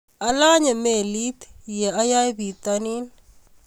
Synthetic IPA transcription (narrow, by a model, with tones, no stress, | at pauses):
a˦la˦ɲa˨me˨li˦t̪jɛ˨a˦ja˦jbi˨t̪ani˦n